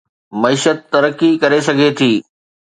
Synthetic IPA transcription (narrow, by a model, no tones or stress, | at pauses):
mɐiːʃət̪̚ːɐɾəkːikɐɾesɐɡʱet̪ʰiː